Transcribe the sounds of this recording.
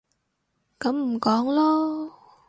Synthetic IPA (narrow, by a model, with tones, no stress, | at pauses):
ka˨˥mm̩˨˩kɔː˨˥˦ŋlɔ˧